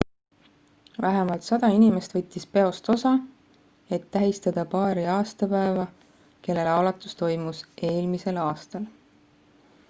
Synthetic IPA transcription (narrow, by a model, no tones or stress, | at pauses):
væɦemɑlt̪sɑd̪̥ɑinime̞st̪vɤ̞t̪ʲːispe̞o̞st̪o̞sɑ | e̞t̪ːæɦist̪ɑd̪̥ɑpɑːɾiɑːst̪ɑpæe̞vɑ | ke̞lːe̞lɑlɑt̪ːˑu̥st̪o̞jmusʔe̞ːlmise̞lɑːst̪ɑl